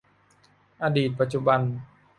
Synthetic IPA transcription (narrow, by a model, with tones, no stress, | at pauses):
ʔaː˧diː˨˩t̪̚pa˧˩t̪̚t͡ɕu˧ba˧n